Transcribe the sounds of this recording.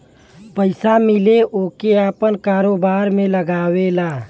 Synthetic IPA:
pəɪsamɪleʔoːkeaːpənkaːɾoːbaːɾmẽləɡaːwelaː

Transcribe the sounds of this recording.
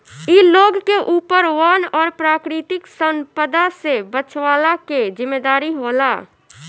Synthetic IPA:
iloːɡkeʔuːpəɾʋaːnɔːɾpɾaːkɾɪt̪ɪksə̃mpəd̪asebət͡ʃʰwaːlaked͡ʒɪmːeːd̪aːɾiɦoːlaː

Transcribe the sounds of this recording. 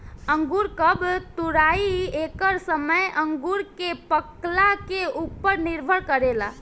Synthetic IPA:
ə̃ŋɡuɾkəbt̪ʊɾaːiekəɾsəməjʔə̃ŋɡuɾkepəklakeupəɾnɪɾbʱəɭkəɾeːla̰

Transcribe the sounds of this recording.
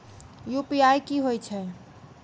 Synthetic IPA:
jupiajkiɦojt͡ʃʰɛ

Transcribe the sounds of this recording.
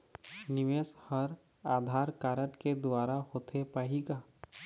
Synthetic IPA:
nɪʋeshəɾ | aːd̪ʱaːɾkaːɾəʈked̪ʊaːɾahoːt̪ʰepaːɦiɡaː

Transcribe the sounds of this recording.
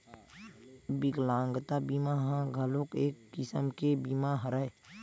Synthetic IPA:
bɪɡlãːŋɡt̪abimaɦãɡʱəlõkeːkːɪsəmkebimaɦəɾae

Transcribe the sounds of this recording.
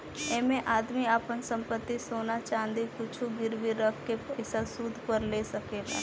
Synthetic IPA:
ɛ̃ːmẽʔaːd̪miaːpənsə̃mpət̪ːisoːnat͡ʃaːə̃nd̪ikʊt͡ʃʰuɡɪɾbiɾəkkeɪsasuːd̪ʱpəɾleːsəkeːɡa̰ː

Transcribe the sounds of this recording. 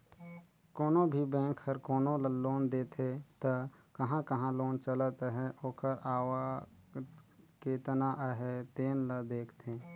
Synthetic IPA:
koːnobʱibɛ̃ːkhəɾkoːnoloːnd̪eːt̪ʰet̪əkɐɦãkəɦãloːnt͡ʃələt̪əɦɛoːkəɾaːwa | keːt̪naʔəɦɛt̪eːnləd̪eːkʰt̪ẽː

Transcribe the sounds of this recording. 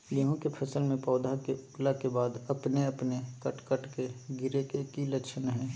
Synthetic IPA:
jɐɦõkepʰɐsəlmẽpɔːd̪ʱakeʊklakebaːd̪ɐpneɐpnekɐʈkəʈkeɡɪɾekekilɐʃʰənɦɛ̃ː

